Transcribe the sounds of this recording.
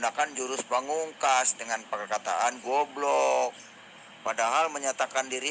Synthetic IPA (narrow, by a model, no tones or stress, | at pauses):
nakand͡ʒuɾʊspaŋuŋkasdəŋanpərkat̪a̰ʔanɡuablɔk̚ | padaɦalməɲat̪akandiɾi